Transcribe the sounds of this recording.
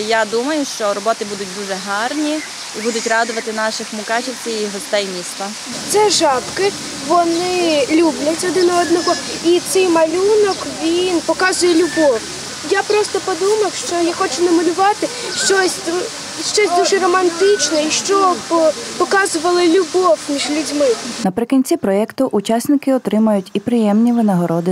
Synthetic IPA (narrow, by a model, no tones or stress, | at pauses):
jad̪umɐjʊʃt͡ʃɔɾɔbɔt̪ɪbud̪ʊt̚ʲd̪uʒɛɦɑrnʲi | ibud̪ʊtʲrɑd̪ʊʋɐt̪ɪnɑʃɪxmʊkɑt͡ʃiwt͡sʲɛjiɦɔst̪ɛjmʲist̪a | t̪sʲɛʒɑpkɪ | ʋɔnɪlʲublʲɐtʲɔd̪ɪnɔɔd̪nɔɦɔit̪sɛjmɐlʲunɔkʋʲinpɔkɑzʊjɛlʲʊbɔw | japɾɔst̪ɔpɔd̪umɐwʃt͡ʃɔjaxɔt͡ʃʊnɔmɪnʊʋɑt̪ɪ | ʃt͡ʃɔsʲ | ʃt͡ʃɔsʲd̪uʒɛrɔmɐnt̪ɪt͡ʃnɛiʃt͡ʃɔ | pɔkɑzʊʋɐlˠɪlʲʊbɔwmʲiʒlʲʊdʲmɪnɐpɾɪkɔnʲt͡sʲipɾɔɛkt̪ʊʔut͡ʃɑsʲnɪkɪɔt̪ɾɪmɐjʊtʲipɾɪjɛmnʲiʋɪnɐɦɔɾɔd̪ɪ